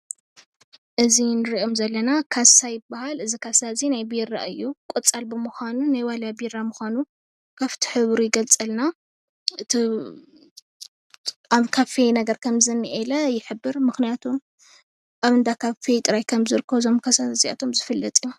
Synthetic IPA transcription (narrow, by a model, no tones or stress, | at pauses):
ʔɨzinɨɾiʔomzɐlːɐnakʰasajɪbːahalɨzikʰasazinajbiɾa̰ʔɨjːukʼɔt͡sʼalbɨmɨxʷanunajwalabiɾamɨxʷanu | kʰaft̪ʰiħɨβɾujɪɡɐlt͡sʼɐlna | ɨt̪ʰi | aβkʰafenɐɡɐɾkʰɐmzɨnːiʔelɐjɪħɨbːɨɾmɨxnijat̪ʰum | ʔaβɨnd̪akʰafet̪ʼɨɾajkʰɐmzɨɾɨkʰːɐβzo̞mkʰasazia̰t̪ʰo̞mzɨfɨlːɐt̪ʼij